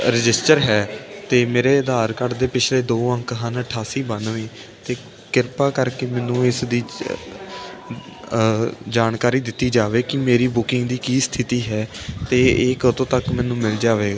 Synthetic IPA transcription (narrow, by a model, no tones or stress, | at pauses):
ɾɪd͡ʒɪsʈəɾɦɛːt̪eːmeːɾeːd̪aːɾkəɽd̪eːpɪt͡ʃʰleːd̪oːʋəŋkɦənəʈʰaːsiːbənʋẽː | t̪eː | kɪɾpaːkəɾkeːmɛːnũːɪsd̪iː | d͡ʒaːnkaːɾiːd̪ɪt̪ːiːd͡ʒaːʋeːkɪmeːɾiːbʊkɪŋɡd̪iːkiːst̪ʰɪt̪iːɦɛːt̪eːekət̪õːt̪əkmɛːnũːmɪld͡ʒaːʋeːɡaː